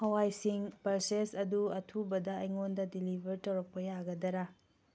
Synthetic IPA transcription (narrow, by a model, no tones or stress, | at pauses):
hɐwajsiŋpɐlsesɐduɐtʰubɐdɐːjŋondɐdilibʱɐɾtɐwɾɐk̚pɐjaɡɐdɐɾa